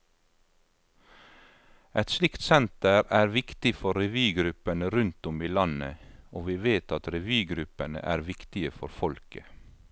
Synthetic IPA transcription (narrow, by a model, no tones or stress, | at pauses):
ʔɛt̪slɪkt̪sɛnt̪əɾæːɾʋɪkt̪ɪfɔɾɛʋyːɡɾʉpənəɾʉnt̪ʊmiːlɑnə̰oːʋiːʋeːt̪ɑt̪ɾɛʋyːɡɾʉpənə̰ʔæːɾʋɪkt̪ɪəfɔɾfɔlkə